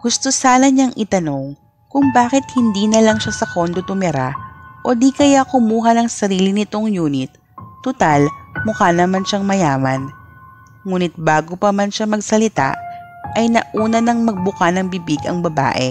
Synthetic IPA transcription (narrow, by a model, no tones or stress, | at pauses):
ɡ̥ʊst̪o̞saːnɐɲaŋʔɪt̪ɐno̞ŋ | kʊŋbaːkɪt̪̚hɪnd̪iːnɐlɐŋʃasɐkond̪ot̪ʊmɛɾaʔo̞d̪ikɐjakʊmuːɦɐnɐŋsɐɾiːlinɪt̪o̞ŋjuːnɪt̪̚ː | ʊt̪almʊkanɐmanʃaŋmɐjaːmɐn | ŋuːnɪt̪̚baːɡopɐmanʃamɐɡsɐlɪt̪a̰ʔɐjnɐʔuːnɐnɐŋmɐɡ̚bʊkanɐŋbɪbiɡɐ̰ŋbɐba̰ːʔɛ̰